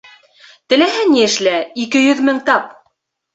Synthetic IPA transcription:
t̪ɘ̆læɦɘniɘ̆ʃlæikɘjɵðmɘŋt̪ɑp̚

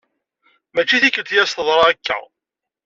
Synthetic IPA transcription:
mæt͡ʃːiθikːət̪jæst̪əðˤɾˤɑækːæ̰

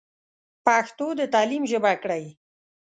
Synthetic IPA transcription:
paxt̪od̪ət̪ɑlimʒəbakɽaj

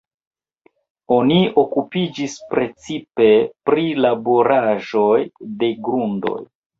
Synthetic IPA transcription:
o̞nio̞kupid͡ʒispɾe̞t͡sipe̞pɾilaboɾaʒo̞jde̞ɡɾundo̰j

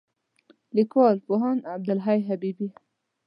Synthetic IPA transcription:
likwɑlpoɦɑnab̚d̪alɦajɦabibi

